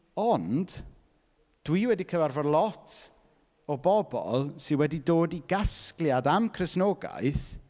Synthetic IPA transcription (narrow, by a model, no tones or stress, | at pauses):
ɔnd̥ | d̥wiwɛdikʰəvarvɔdlˠɔtʰ | ɔbɔbɔ̰lˠsɪnwɛdidoːdiɡaskljadamkʰrɨsnoːɡa̰jθ